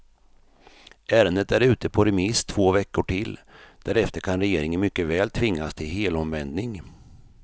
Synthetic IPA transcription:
ʔæːɾənd̪ət̪æɾʉ̟ːt̪əpʰɔɾɛmɪst̪ʰv̥oːvɛkːʊʈʰɪlːd̪̥æɾɛft̪əɾkʰanɾɛjeːɾɪŋənmʏkːəvɛːlt̪ʰvɪŋːast̪ʰɪlheːlɔmvɛnd̪nɪŋ

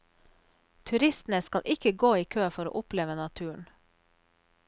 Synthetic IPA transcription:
t̪ʰʉɾɪst̪n̩əskɑlʔɪkəɡoːiːkʰøːfɔɾo̰ːʔʊpleːʋənɑt̪ʰʉːəɳ

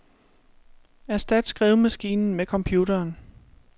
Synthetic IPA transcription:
æɐsd̥ɛd̥sɡ̥ʁɛ̰ːʊð̩ˠmæsɡ̥ḭːnn̩mekʰɒ̽mpʰjuːdɐːn

